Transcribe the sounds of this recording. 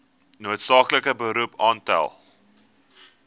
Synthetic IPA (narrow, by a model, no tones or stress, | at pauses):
nuətsɑːkləkəbəɾupʰɑːntæ̰lˠ